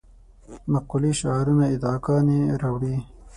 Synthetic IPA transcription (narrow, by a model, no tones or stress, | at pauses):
mɐkuliʃɑːɾunaid̪ɑːkɑːniɾawɽi